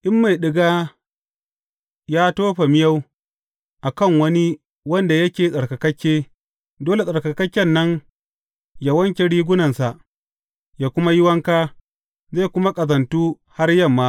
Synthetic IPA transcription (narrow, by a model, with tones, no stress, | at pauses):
ʔɪ˦mːa˨jɗɪ˦ɡaː˦ | jaː˦toː˦ɸa˨mɪ˦jɐ˦w | ʔa˨kɐ˦˨ŋwɐ˦ni˦ | wɐ˦nda˨jɐ˦kʲeː˨sʼɐ˨ɽkɐ˨kɐ˦kʲːeː˦ | doː˦le˨sʼɐ˨ɽkɐ˨kɐ˦kʲːɐ˦˨nːɐ˦ŋ | ja˨wɐ˦ŋkʲe˨ɽiː˦ɡʷʊ˦nɐ˨nsa˨ʔ | jaː˦kʷʊ˦ma˦jɪ˦wɐ˦ŋkaː˦ | ze˦˨kʷʊ˦ma˦kʼɐ˨zɐ˨ntuː˦ | ha˦rjɐ˦˨mːaː˦